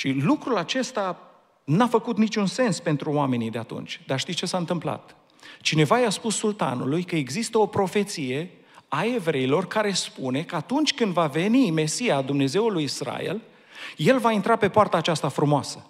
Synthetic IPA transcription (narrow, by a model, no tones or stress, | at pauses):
ʃilukɾulat͡ʃe̞st̪a | nafəkut̪nit͡ʃunse̞nspe̞nt̪ɾuoame̞nid̪eat̪ṵnt͡ʃʲd̪arʃt̪ijt͡ʃe̞saɨnt̪ɨmpla̰t̪ | t͡ʃine̞vajaspusːult̪a̰nṵlujkəeɡzist̪əo̞pɾo̞fe̞t̪sije̞ | ae̞vɾe̞ilo̞rkaɾe̞spune̞kəat̪unt͡ʃʲkɨnd̪vave̞nime̞sijad̪umne̞ze̞wulujisɾa̰ḛl | je̞lvaint̪ɾape̞poart̪aːt͡ʃast̪afɾumoasə